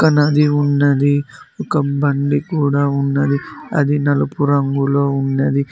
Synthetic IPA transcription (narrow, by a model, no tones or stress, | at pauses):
kɐnɐd̪iunːɐd̪iɔkɐbɐɳɖikuːɽaunːɐd̪iɐ̰d̪inɐlɐpuɾɐŋɡuloːunːɐd̪i